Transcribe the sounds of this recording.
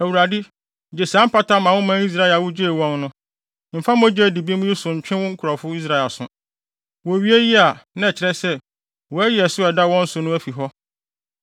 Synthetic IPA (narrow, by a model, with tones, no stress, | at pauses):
æ˨wu˨ɾa˨dɪ˦˨ | d͡ʑe˨sã˦m̩˦pʰa˦tʰã˦mã˨wʊ̃˦mã˦i˦s̬ɾa˦ɛ˨a˨wʊ˦d͡ʑe˦e˨wɔ̃˦nnʊ̃˦ | m̩˨fã˦m˦æ˦d͡ʑe˦˨di˨bi˦mʊ̃˦ji˦sʊ̃˨ɲ̩˨t͡ɕᶣɪ̃˦wɔ̃˦ŋ̩˦kʰʊ˨ɾɔ˨fʊ˦i˦s̬ɾa˦ɛ˨lsʊ̰̃˨ | wɔ˨ɥi˦e˦ji˦a˨nã˦ɛ˨t͡ɕʰɪ˨ɾɛ˦sɛ˦ | wɔ˨æ˦jɪ˨ɛ˨sʊ˦ɛ˨da˦wɔ̃˦n̩˦sʊ˨˦nʊ̃˦æ˦fi˨ɦɔ˦